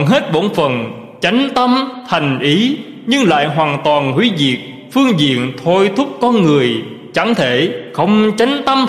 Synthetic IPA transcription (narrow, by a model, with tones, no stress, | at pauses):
nɦe˦˥t̚ɓo˧˥nfə˨˩n | t͡ɕa˨˦jŋ̟t̪ə˧mt̪ʰa˨˩jŋ̟ʔi˨˦ | ɲɨ˧ŋla̰ː˧˨jɦwaː˨˩ŋt̪waː˨˩nɦwi˨˦zi˨˩ək̚ | fɨ˧əŋzḭ˧˨ənt̪ʰo˧jt̪ʰʊ˦˥k͡p̚kɔ˧nŋɨ˨˩əj | t͡ɕa˧˩ŋt̪ʰe˧˩xə˧wŋ͡mt͡ɕa˨˦jŋ̟t̪ə˧m